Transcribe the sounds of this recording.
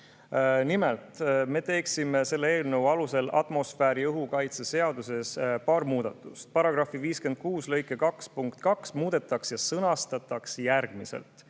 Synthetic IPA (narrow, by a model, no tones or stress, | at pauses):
nimelt̪me̞t̪e̞ːksime̞se̞lːeeːlnəvwɑluse̞lʔɑ̰t̪mo̞sfæːɾiɤɦukɑjt̪sese̞ɑd̪use̞spɑːɾmuːd̪̥ɑt̪ːˑu̥st̪̚pɑɾɑɡ̥rɑfiviːske̞nd̪̚kuːslɤ̞jkːˑekɑkspuŋkt̪kɑksmuːd̪̥e̞t̪ːˑɑksjɑsɤnɑst̪ɑt̪ːɑksjærɡ̥misḛlt̪